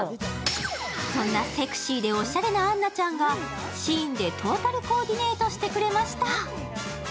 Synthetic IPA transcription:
sõ̞nːase̞kɯ̟̥ɕiːd̪e̞o̞ɕaɾe̞nãːnːat͡ɕãŋɡa | ɕĩnd̪e̞t̪ʰo̞ːt̪aɾɯ̟ko̞ːd̪ʲine̞ːt̪o̞ɕi̥t̪e̞kɯ̟ɾe̞maɕi̥t̪a

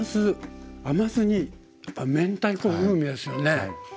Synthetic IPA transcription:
zɨamazɨɲ̟i | japːamẽ̞nt̪aikoːɸɯːmʲid̪esɨjo̞ne̞

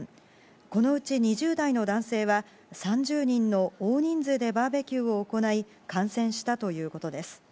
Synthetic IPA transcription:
ko̞no̞ɯ̟t͡ɕiɲ̟iʑɨːd̪aino̞d̪ãɰ̃se̞ːβa | sãɲ̟d͡ʑɨːɲ̟ĩnːo̞oːɲ̟ĩnd͡zɨd̪e̞baːbe̞kʲɨːo̞ːko̞nai | kãɰ̃sẽ̞ɰ̃ɕi̥t̪at̪o̞jɯ̟ːko̞t̪o̞d̪e̞sɨ̥

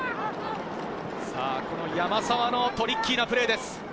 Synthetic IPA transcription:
saːko̞no̞jamasaβano̞t̪o̞ɾʲikʲːiːnapɯ̟ɾe̞ːd̪e̞sɨ̥

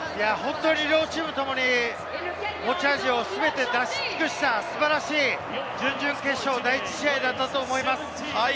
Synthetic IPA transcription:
jahõ̞nt̪o̞ɲiɾo̞ːt͡ɕimɯ̟t̪o̞mo̞ɲ̟i | mo̞t͡ɕaːʑio̞sɨbe̞t̪e̞d̪aɕi̥t͡sɨ̥kɯ̟ɕi̥t̪asɨbaɾaɕiː | d͡ʑɨ̃ɲd͡ʑɨ̃ŋke̞ɕo̞ːd̪ait͡ɕi̥ɕiaid̪at̪ːat̪o̞ːmo̞imasɨ̥ | a

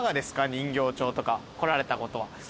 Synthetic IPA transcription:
ɡad̪e̞sɨ̥kaɲ̟ĩŋɡʲo̞ːt͡ɕo̞ːt̪o̞kako̞ɾaɾe̞t̪ako̞t̪o̞βa̰

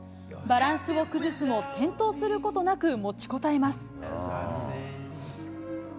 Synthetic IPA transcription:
baɾãɰ̃sɨβo̞kɯ̟zɨsɨmo̞t̪ẽ̞nt̪o̞ːsɨɾɯ̟ko̞t̪o̞nakɯ̟mo̞t͡ɕi̥ko̞t̪ae̞masɨ̥

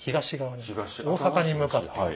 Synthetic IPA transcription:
kiɡaɕiɡaβaɲioːsakaɲimɯkattː

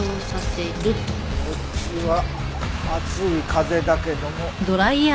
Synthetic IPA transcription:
oːsaseɾe | ko | t͡ɕiβa | mat͡sɨikʰaze̞d̪ake̞d̪o̞mo̞d̪oɾaia

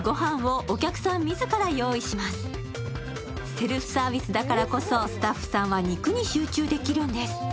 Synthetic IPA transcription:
ɡo̞ɦãɰ̃βo̞ʔːkʲakɯ̟̥sãmːʲizɨkaɾajo̞ːiɕimasɨ̥ | se̞ɾɯɸɯ̟̥saːbʲisɨd̪akaɾako̞so̞sɨ̥t̪aɸːɯ̟̥sãɰ̃βaɲ̟ikɯ̟ɲ̟iɕɨːt͡ɕɨːd̪e̞kʲiɾɯ̟̃nd̪e̞sɨ̥

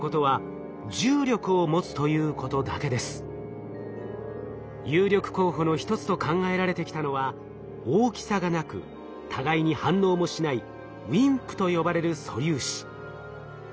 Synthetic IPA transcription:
ko̞t̪o̞βa | d͡ʑɨːɾʲo̞kɯ̟o̞mo̞t͡sɨ̥t̪o̞jɯ̟ːko̞t̪o̞d̪a̰ke̞d̪e̞sɨ̥ | jɨːɾʲo̞kɯ̟̥ko̞ːɦo̞no̞çi̥t̪o̞t͡sɨ̥t̪o̞kãŋɡae̞ɾaɾe̞t̪e̞kʲi̥t̪ano̞βa | oːkʲi̥saɡanakɯ̟̰ | t̪ʰaɡaiɲ̟ihãnːo̞ːmo̞ɕinai | ĩŋkɯ̟̥t̪o̞jo̞baɾe̞ɾɯ̟so̞̰ɾʲɨːɕi̥

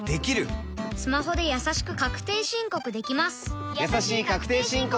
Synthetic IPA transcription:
d̪̥e̞kʲiɾɯ̟ | sɨmaɦo̞d̪e̞jasaɕi̥kɯ̟kakɯ̟̥t̪e̞ːɕĩŋko̞kɯ̟d̪e̞kʲimasɨ̥ | jjasaɕiːkakɯ̟̥t̪e̞ːɕĩŋk

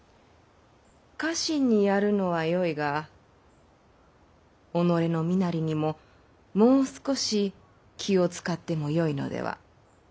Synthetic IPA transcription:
kaɕiɲ̟ːijaɾɯ̟no̞βajo̞iɡa | ono̞ɾe̞no̞mʲinaɾʲiɲ̟imo̞ | mo̞ːsɨ̥ko̞ɕi | kʲʰio̞t͡sɨ̥kat̪ːe̞mo̞jo̞ino̞̰d̪e̞̰βa̰

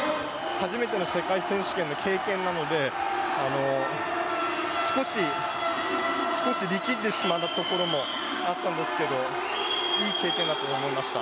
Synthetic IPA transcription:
haʑime̞t̪e̞no̞se̞kaisẽ̞ɰ̃ɕɨ̥kenːo̞kʰe̞ːkẽ̞nːano̞d̪e̞ano̞ | sɨ̥ko̞ɕi | sɨ̥ko̞ɕiɾʲikʲit̪ːe̞ɕimat̪ːat̪o̞ko̞ɾo̞mo̞ | at̪ːãnd̪e̞sɨ̥ke̞d̪o̞ | iːke̞ːkẽ̞nd̪at̪oːmo̞imaɕi̥t̪a̰

